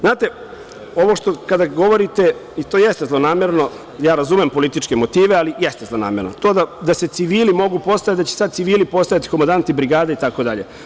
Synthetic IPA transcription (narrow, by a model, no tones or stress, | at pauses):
znaːt̪e̞ | o̞ʋo̞ʃt̪okad̪aɡo̞ʋo̞ɾit̪eit̪oːjest̪ezlˠo̞naːmeɾno̞ | jaːɾazumempo̞lit̪it͡ʃkemo̞t̪iːʋealijest̪ezlˠo̞na̰ːmeɾnot̪o̞ːd̪ad̪aset̪siʋiːlimo̞ɡupo̞st̪ajat̪d̪at͡ɕe̥sad̪̚siʋiːlipo̞st̪ajat̪i̥komand̪ant̪ibɾiɡaːd̪ait̪ako̞d̪aʎe